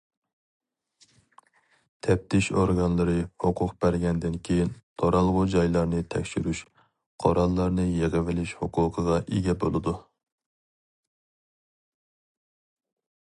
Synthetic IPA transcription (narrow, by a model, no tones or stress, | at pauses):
t̪ʰɛp̚t̪ʰɪʃo̰ɾɡɑnlˠɨɾɨhoqʰʊqb̥æɾɡʲɛnd̪ɪnkʲʰejint̪ʰoɾɑlˠʁʊd͡ʒɑjlˠɑɾnɨt̪ʰɛ̰kʲʃyɾyʃ | qʰɑɾɑlˠːɑɾnɨjeʁəvɪlɪʃhoqʰʊːqʰəʁɑʔeɡʲɛbolˠɨd̪u